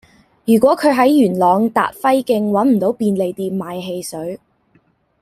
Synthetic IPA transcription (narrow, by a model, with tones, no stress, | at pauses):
jyː˨˩kʷwɔː˨˥kʰɵ˨˧ɥɦɐ˨˥jːyː˨˩nlɔː˨˧ŋt̪a̰ː˨t̚fɐ˥jkɪ˧ŋwɐ˨˥nm̩˨˩t̪o˨˥wpiː˧nle˨jt̪iː˧mmaː˨˧jɦe˧jsɵ˨˥ɥ